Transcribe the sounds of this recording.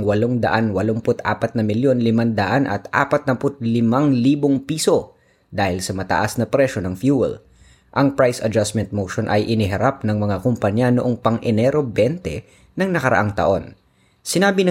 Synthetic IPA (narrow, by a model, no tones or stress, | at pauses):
ŋwɐloŋd̪ɐʔanwɐloŋpʊt̪ʔa̰ːpɐt̪nɐmɪljo̞nlɪmand̪ɐʔanʔɐ̰t̪ʔa̰ːpɐt̪̚nɐpʊt̪̚lɪmaŋliːboŋpiːso̞ | d̪aːhɪlsɐmɐt̪ɐ̰ʔasnɐpɾɛʃo̞nɐŋfjuːwɛ̰l | ʔɐŋpɹajsɐd͡ʒasmɛnt̪̚mowʃonʔɐjʔɪniɦɐɾap̚nɐŋmɐŋakʊmpɐɲanoʔoŋpɐŋʔɛnɛɾo̞bɛnt̪ɛ | nɐŋnɐkɐɾɐ̰ʔaŋt̪ɐ̰ʔo̞n | sɪnaːbɪnɐ